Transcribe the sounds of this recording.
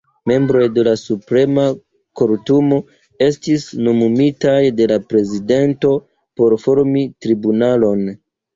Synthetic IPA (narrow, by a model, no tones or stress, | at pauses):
me̞mbɾo̞jde̞lasupɾe̞ma | koɾtumo̞ | e̞stisnomumitajde̞lapɾe̞zide̞nto̞ | po̞ɾfo̞ɾmitɾibunalo̞n